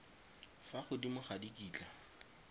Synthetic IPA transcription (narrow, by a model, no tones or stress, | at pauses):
faχʊdimʊχadikʼiːt͡ɬʼa